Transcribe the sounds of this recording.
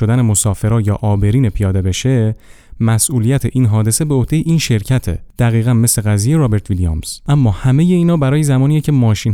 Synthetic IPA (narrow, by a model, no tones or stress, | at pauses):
od̪æne̞mosɒːfe̞ɾɒːjɒ̰ːʔɒːbe̞ɾiːnepʰijɒːd̪e̞be̞ʃe̞ | mæsʔuːlijæt̪ʰeʔiːnɦɒːd̪e̞se̞beohd̥̪e̞jeʔiːnʃe̞ɾcʰæt̪ʰḛd̪̥æɣiːɣænme̞sleɣæzijeɾɒːbe̞ɾt̪ʰviliɑ̰msʔæmːɒːhæme̞je̞iːnhɒːbæɾɒːjezæmɒːniːecʰe̞mɒːʃiːn